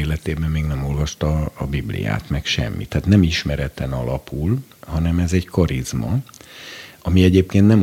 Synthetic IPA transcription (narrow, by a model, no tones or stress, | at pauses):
eːlɛt̪eːbɛmːeːɡnɛmo̞lvɒʃt̪ɒːbiblḭja̰ːt̪mɛkʃɛ̰mːḭt̪ːaːt̪nɛmiʃmɛɾɛt̪ɛnɒlɒpul | hɒnɛmɛzɛɟkɒɾizmɒ̰ | ɒmiɛɟeːpkeːnt̪nɛm